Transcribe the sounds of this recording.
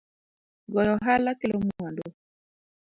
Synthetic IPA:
ɡɔjɔɦalakelɔmuando

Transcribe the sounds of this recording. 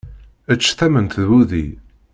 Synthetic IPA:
ət͡ʃːθæmənt̪ðwuðḭ

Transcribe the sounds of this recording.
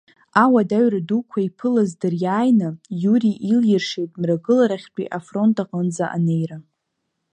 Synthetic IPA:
awadaɥradukʷʰaipʰɨlazdɨrjaːjnɨjuɾiʔiljɪrʂejtʼmraɡɨlaɾaχʲt͡pʷʼḭʔafro̞ntʰʼaqʼənd͡zaʔa̰ne̞jɾa

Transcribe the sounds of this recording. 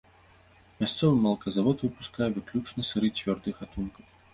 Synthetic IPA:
mʲast̪sɔvɨmɐlˠkɐzavɔt̪vɨpu̥skajɛvɨklʲut͡ʂnɐsɨɾɨt͡sʲvʲɔrd̪ɨxat̪unkɐw

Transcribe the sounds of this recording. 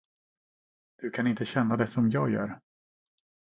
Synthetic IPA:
d̪̥ɵkʰanɪnt̪əɕɛnːad̪ɛsɔmjɑːɡjœ̰ːɾ

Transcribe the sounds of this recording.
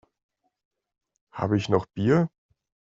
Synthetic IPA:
ha̰ːbəɪçnɔχb̥iːɐ

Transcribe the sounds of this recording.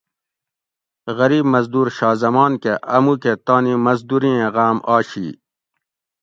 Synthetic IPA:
ɣɐɾiːbmɐzd̪uːɾɕaːzɐmaːnkeʔɐmuket̪aːnimɐzd̪uɾĩẽɣaːmaːɕḭ

